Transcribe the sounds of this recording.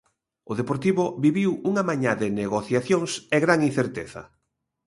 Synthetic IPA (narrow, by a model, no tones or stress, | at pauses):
ʊðepoɾt̪iβʊbiβiwuŋamaɲaðɪneɣoθjaθjoŋsɛɣɾaŋin̟θeɾt̪eθɐ̰